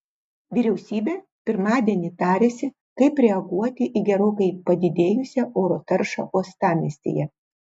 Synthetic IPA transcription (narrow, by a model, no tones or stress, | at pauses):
ʋʲiːɾʲɛʊsʲiːbʲeː | pʲɪɾmɑːd̪ʲiɛnʲɪt̪ɑːɾʲeːsʲɪ | kɐɪpɾʲɛɐɡuɔt̪ʲɪʔiɡʲɛɾoːkɐɪpɐd̪ʲɪd̪ʲeːjʊsʲɛʔoːɾoːt̪ɐɾʃɑ̰ːʔuɔst̪ɑːmʲisʲt̪ʲḛːjɛ